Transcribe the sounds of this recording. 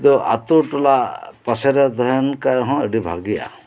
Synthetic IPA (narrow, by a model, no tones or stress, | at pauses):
d̪ɔʔa̰t̪uɾʈɔlapaseɾɛd̪ɔɦɔnkaɾɦɔ̃eɖibʱa̰ɡija̰